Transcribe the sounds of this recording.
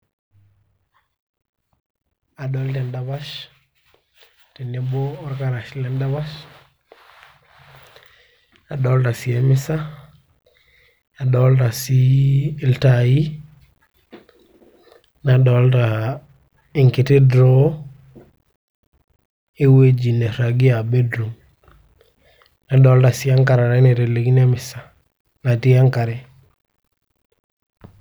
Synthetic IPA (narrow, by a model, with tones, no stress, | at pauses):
a˨ɗɔ˦lte˨nda˨ba˦ʃ | te˨ne˦boː˦ɾka˦ɾa˨ʃle˨˦nda˦ba˦ʃ | a˨ɗɔ˦lta˨si˨e˦mɪ˦sa˦˨ | ɗɔ˨˦lta˨si˦lta˨ji˦ | na˨dɔ˨˦lta˨ | i˨ŋki˨te˦dɾɔ˦ | e˦we˦d͡ʒi˨ne˨ɾa˨ɡi˦a˨be˦dɾu˨m | na˨dɔ˨˦lta˨si˦a˦ŋka˨ɾa˨ɾɛ˦ne˨ɾe˨le˨ɡi˦ne˦mɪ˨sa˨ | na˨ti˦a˦ŋka˨ɾe˨